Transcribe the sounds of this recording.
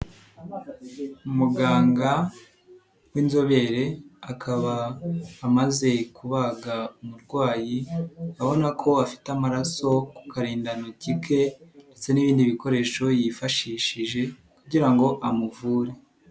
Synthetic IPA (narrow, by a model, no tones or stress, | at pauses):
umuɡaːŋɡa | wiːnzo̞βe̞ɾe̞akʰaβaː | maze̞kuβaɡaumuɾɡwaːjiaβo̞nakʰo̞afi̥tamaɾaso̞ku̥kaɾiːndanocikʰe̞nde̞t͡se̞niβiːndiβiko̞ɾe̞ːʃo̞jifaʃiːʃiʒe̞ | kuɟiɾaŋɡo̞ʔamuvuːɾe̞